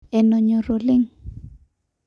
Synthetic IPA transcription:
ɛ˨no˨ɲo˨ɾo˨lɪ˦ŋ

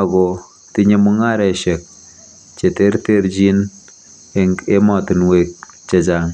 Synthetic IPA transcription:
a˨ɡɔ˨ | tɪ˦ɲe˨mu˦ŋa˦ɾɛ˨ʃɛ˨k̚ | t͡ʃe˨te˦ɾte˦ɾd͡ʒi˦n | e˦mɔ˨tɪ˨nwe˦k̚ | t͡ʃa˦d͡ʒa˨ŋ

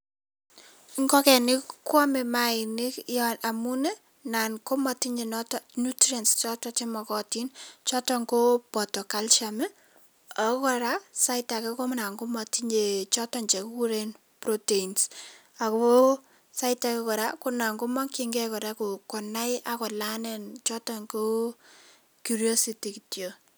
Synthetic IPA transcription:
ŋɡɔ˦kɛ˨nɪ˦kːɔ˦mɛ˨ma˨ɪ˨nɪ˦kjɔʔa˨mu˦nɛ˦ | na˨nko˦ma˨ti˦ɲe˨nɔtnu˦tɾia˨nst͡ʃɔ˦tɔ˦t͡ʃe˦mɔ˨kɔ˨tint͡ʃɔ˦tɔ˦ŋɡo˦pɔ˨tɔ˨ka˦lʃamɛ˦ | a˨˦kɔ˦ɾa˦sa˦ɪta˨kɛ˦ko˦mna˨ŋɡo˦ma˨tiɲe˨t͡ʃɔ˦tɔɲt͡ʃe˨ku˦ku˦ɾen | proteins | a˨ko˦ | sa˦ɪtakɛ˦kɔ˨ɾakʊna˨ŋɡo˦ma˦kiŋɡɛ˦kɔ˨ɾa˦ko˨kɔ˨na˦jakɔ˨lanɛ˦nt͡ʃɔ˦tɔŋko˦ | kjuɾiɔ˦siti˨kitjo˨

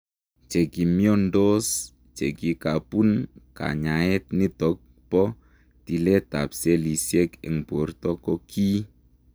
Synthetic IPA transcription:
t͡ʃe˨ɡi˨mi˦ɔ˦ndo˦s | t͡ʃe˨ɡi˨ka˨pu˦nka̰˨ɲa˨ɛ˦t̪̚ni˦t̪ɔ˨k̚ | pɔ˦ | ti˨lɛ˦t̪a̰˨psɛ˦li˨siɛ˦kɛ̰˨ŋb̥o˨˦rt̪ɔ˦kɔ˦kʰi˦

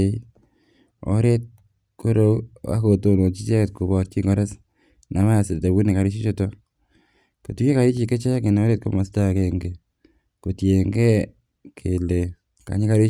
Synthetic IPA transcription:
e˦ | ɔ̰˨ɾe˦t̚ | ko˦ɾo˦a̰˦ko˨to˦no˨t͡ʃi˦t͡ʃe˦kt̚ko˨bɔ˨t̚t͡ʃi˦ŋɡɔ˦ɾɛ˦s | na˨ma˦˨sɪ˨ɾta˨bu˦ni˨ka˨ɾɪ˦t͡ʃi˦t͡ʃo˦tɔ˦ | ko˨tu˦ke˦ka˨ɾi˦t͡ʃi˨ke˦t͡ʃe˦kɪ˨nɔ˦ɾe˦t̚ko˦ma˨sta˦˨ke˦ŋɡe˨ | ko˨tje˨ŋɡe˦ | kʰe˨le˨ | ka̰˨ɲɪ˦ka˦ɾi˦

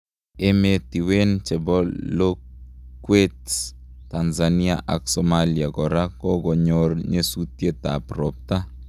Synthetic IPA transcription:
emeti˨we˦nt͡ʃe˨bɔ˦lo | kwe˦ts | ta˨nzania̰ʔa̰˨ksɔmaliaɡɔ˨ɾa˦kɔ˦ɡɔ˨ɲorɲe˦sutje˦t̪a̰pɾɔ˨p̚ta˦

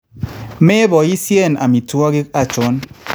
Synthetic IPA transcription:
me˦bɔ˨i˦sje˦˨na̰˨mi˨twɔ˦ɡi˦ka˨t͡ʃʊ˦n

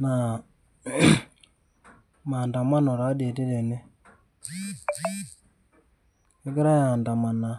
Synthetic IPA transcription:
na˨ | ma˨nda˨ma˦no˨ɾa˨˦de˨te˦ɾe˨ne˦ | e˦ɡe˦ɾa˦ja˨nda˨ma˨na˨

